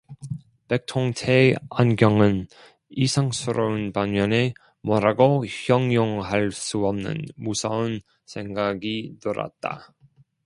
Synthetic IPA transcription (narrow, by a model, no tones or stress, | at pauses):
pek̚tʰoŋtʰeanɡjʌŋɯn | isʰaŋsʰɯɾʌɯnpanmjʌne̞ | mʌɾaɡoçjʌŋjoŋɦaɭs͈uʌmnɯ̰nmusʰʌɯn | sʰe̞ŋɡaɡinɯɾa̰t̚t͈a̰